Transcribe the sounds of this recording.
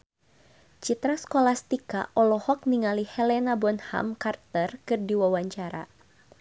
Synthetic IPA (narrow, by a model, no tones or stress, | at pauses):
t͡ʃit̪ɾaskolast̪ika̰ʔɔlɔhɔk̚niŋalihɛlɛnabɔnha̰mkart̪ərkɨrdiwawaɲt͡ʃaɾa̰